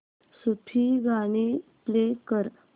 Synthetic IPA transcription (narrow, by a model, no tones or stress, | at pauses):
supʰiɡaɽ̃iplekəɾ